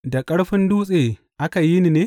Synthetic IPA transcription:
da˨kʼɐ˦ɽɸɪ˦nduː˦sʼeː˨ | ʔa˦ka˨ji˦ni˨neː˦

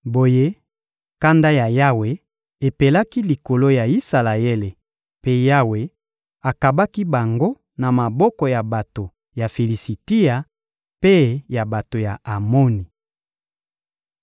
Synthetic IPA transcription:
bo˨je˦ | ka˦nda˦ja˨ja˦we˨ | e˨pe˨la˦ki˦li˨ko˨lo˦ja˨i˦sa˨la˨e˦le˨ | pe˦ja˦we˨ | a˨ka˨ba˦ki˦ba˨ŋɡo˦ | na˨ma˨bɔ˦kɔ˨ja˨ba˨to˨ | ja˨fi˨li˨si˨ti˦a˨ | pe˦ja˨ba˨to˨ja˨a˨mo˦ni˨

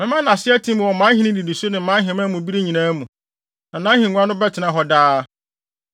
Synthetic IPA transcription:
mɪ̃˦mã˦nã˨sɪ˦ɛ˦tʰĩ˦m˨wɔ˨mã˦hĩ˦nɪ̃˦di˨di˨so˦nɪ̃˨˦mã˦ɦɪ̃˨˦mã˦mũ˨bi˦ɾe˦ɲĩ˨nãː˦mũ˨ | nã˨nã˦hĩ˨ɲ̃ʷ˦ã˦nʊ̃˦bɛ˦tʰɪ˨nã˨ɦɔ˨daː˦

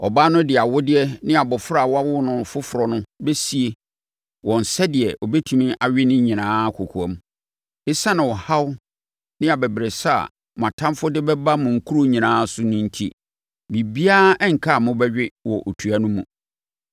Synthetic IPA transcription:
ɔ˨baː˦nʊ̃˦dɪ˨a˨wʊ˦dɪ˦ɛ˦nɪ̃˦a˨bɔ˨fʊ˦ɾa˦˨wɔ˦a˦wʊ˦nʊ̃˨fʊ˦fʊ˨ɾɔ˨nʊ̃˦be˦si˨e˨ | wʔɔ̃˨n̩˨sɛ˦dɪ˨ɛ˨ʔɔ˨be˦tʰu˨mĩ˦ʔa˨ɥᶣɪ˦nʊ̃˦ɲĩ˨nãː˦kʰʊ˨kʰʊ˨ɛ̃˦m | ɪ˦sa˦nɪ̃˨wɔ˨ha˦w | nɪ̃˦a˨bɛ˨bɾe˨sa̰˦˨ | m˨ã˨tʰã˦mfʊ˦dɪ˦bɛ˦ba˦mʊ̃˨ŋ̩˨kʰu˦ɾo˦ɲĩ˨nãː˦sʊ˦nʊ̃˦n̩˦tʰḭ˦ | bi˨bi˦aː˦ɛ˦ŋ̩˨kʰa˦˨mʊ̃˦bɛ˦ɥᶣɪ˦wɔ˨ʔo˨tʰu˨a˨nʊ̃˦mũ˨

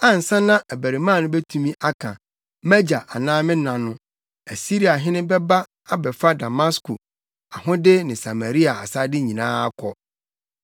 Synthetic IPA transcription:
ã˦n̩˨sã˦nã˦ʔæ˨bæ˨ɾi˨mãː˦˨nʊ̃˦bɛ˦tʰũ˦mĩ˦ʔa˦kʰã̰˨ | mɛ˦d͡ʑa˨ʔa˨nãː˦mɪ̃˦nã˨nʊ̃˦ | æ˨si˦ɾi˦a˨ɦɪ̃˦nɪ̃˦bɛ˦ba˦ | a˦bɛ˨fa˦da˨ma˦skʰo˨ | a˨ɦʊ̃˦dɪ˦nɪ̃˨sa˨ma˨ɾi˦a˨a˨sa˦dɪ˦ɲĩ˨nãː˦a˦kʰɔ˨

